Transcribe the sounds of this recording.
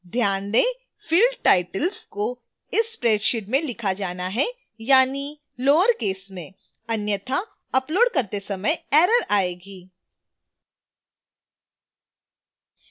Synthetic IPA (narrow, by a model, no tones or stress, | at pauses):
d̪ʱjaːnd̪e | fʰiːlɖʈaːɪʈəlsko | ɪspɾeːɖʃɪʈ̚mẽlɪkʰad͡ʒaːnaɦɛ | jaːni | loːʋəɾkeːsmẽ | ɐnjət̪ʰa | ɐploːɖkɐɾt̪esɐməjɛːɾəɾaːeːɡiː